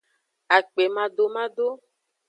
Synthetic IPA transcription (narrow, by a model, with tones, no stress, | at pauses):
a˨k͡pe˨mã˨ɖo˨mã˦ɖo˦